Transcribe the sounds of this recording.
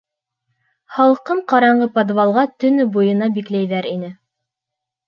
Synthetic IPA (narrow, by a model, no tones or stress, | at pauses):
hɑlˠqɤɴqɑɾɑɴɢɤpod̪vɑlˠʁɑt̪ɵ̆nɵbujɤ̆nɑbiklæjðæɾinɘ